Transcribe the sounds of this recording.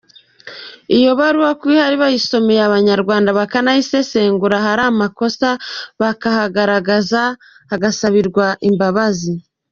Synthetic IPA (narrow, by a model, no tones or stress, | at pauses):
ijo̞βaɾuwakwuihaɾiβajiso̞mejaβaɲaɾɡwaːndaβakanahise̞se̞ːŋɡuɾaɦaɾaːmako̞saβakahaɡaɾaɡaza | haɡasaβiɾɡwaʔimbaβazi